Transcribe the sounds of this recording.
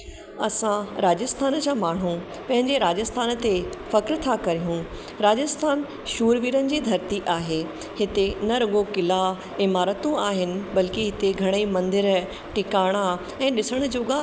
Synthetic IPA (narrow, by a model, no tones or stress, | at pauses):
ɐsãɾaːd͡ʑəst̪ʰaːnd͡ʑaːmaːɳ̤ũ | pɐ̃ɦɪ̃ɲd͡ʑeɾaːd͡ʑəst̪ʰaːnt̪efɐkɾt̪ʰakɐɾijũ | ɾaːd͡ʑəst̪ʰaːn | ʃuːɾʋiːɾənɪ̆d͡ʑiːd̪ʱɐɾt̪iʔaːɦeː | hɪt̪enɐɾɐɠokɪla | ɪmaːɾət̪ũaːɦɪnɪ̆bɐlkiɦɪt̪eɡʱɐɽ̃imɐ̃nd̪ɪɾ | ʈɪkaːɽ̃a | ɛ̃ːɗɪsəɽ̃ʊ̆d͡ʑoːɡa